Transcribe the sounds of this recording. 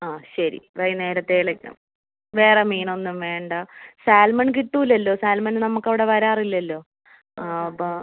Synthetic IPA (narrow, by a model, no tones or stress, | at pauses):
aːɕɐɾḭrɐjneːɾɐt̪ːeːɭekʲːṵm | ʋe̞ːremiːno̞nːumʋe̞ːɳɖɐsaːlmɐɳkiʈːuːlːɐlːo̞ːsaːlmɐnnɐmukːɐʋiɽe̞ʋɐɾaːrilːɐlːo̞ː | ɐpːo